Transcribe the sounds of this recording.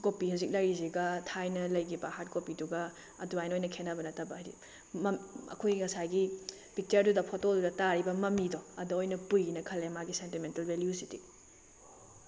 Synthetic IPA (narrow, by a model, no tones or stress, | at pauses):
kopihazik̚lɐjɾiziɡɐtʰajnɐlɐjɡibɐɦat̚kopiduɡɐ | ɐduajnojnɐkʰenɐbɐnɐtɐbɐɾḭ | mɐmɐ̰kʰojɡiŋɐsajɡi | pʰik̚t͡ʃɐɾdudɐpʰɔtodudɐtaɾibɐmɐmidɔɐduojnɐpujinɐkʰɐlːemaɡisentimentɐlbeljusiti